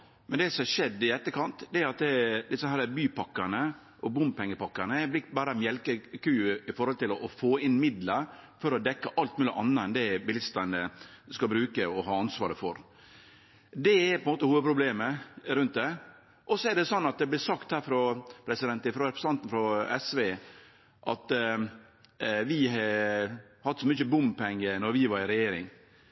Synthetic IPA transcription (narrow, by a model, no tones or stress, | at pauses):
mɛnd̪ɛsɔmɛʂɛd̪ːɪɛt̪ːəkʰɑnt̪d̪ɛæɾɑt̪̚d̪ɛd̪ɪsəhæɾəbyːpʰɑkːɑɾnə | ʔɔbʊmpʰɛŋːəpɑkːɑnəɛɾb̪lɪkbɑːɾəmjɛlkəkʉːɪfɔɾhɔlt̪ɪlɔɔfoːɪnmɪd̪ləfɔɾɔd̪ɛkːəʔɑlt̪mʉːlɪ̰ʔɑnːəɛnd̪ɛbɪlɪst̪ənəskɑbɾʉːkəɔɦɑːɑnsʋɑ̰ːɾəfɔɾ | d̪ɛɛɾpʰɔɛnmoːt̪əhuːʋəd̪̚pʰɾʊbleːməɾʉnt̪̚d̪ɛ | ʔɔsːɔɛɖɛsɔnːɑt̪̚d̪ɛblɪɾsɑkt̪hæːɾfɾɔpʰɾɛsɪd̪ɛnt̪ɪfɾɔɾɛpɾɛsɑnt̪n̩fɾɔɛsʋeː | ʔɑt̪ | ʋɪɦɑ | hɑt̪ːsɔmʏçəbʊmpʰɛŋːənɔɾʋɪʋɑɾɪɾɛjeːɾɪ̰ŋ